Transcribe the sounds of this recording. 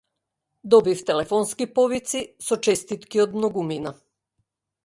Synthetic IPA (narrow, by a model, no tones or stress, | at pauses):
d̪ɔbift̪ɛlɛfɔnskipɔvit̪sisɔt͡ʃɛst̪it̪kiɔd̪mnɔɡumina